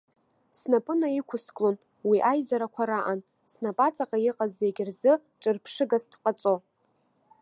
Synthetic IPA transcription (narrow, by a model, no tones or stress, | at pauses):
snapʼɨnaikʷʰʊskʼlon | wiʔajzaɾakʷʰaɾaʔan | snapʼat͡sʼaqʼajɪqʼaze̞ɡʲɪrzɨ | ʈ͡ʂʼɨrpʰʂɨɡasdqʼat͡sʼo̞